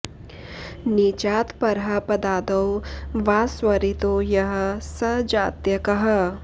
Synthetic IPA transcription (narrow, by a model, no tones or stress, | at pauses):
niːt͡ʃaːt̪pɐɾɦapɐd̪aːd̪ɐwʋaːswɐɾit̪ojɐɦɐ̆sɐd͡ʒaːt̪jɐkɐɦɐ